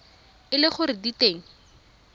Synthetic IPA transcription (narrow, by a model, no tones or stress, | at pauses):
ɪlɪχʊɾɪditeːŋ̩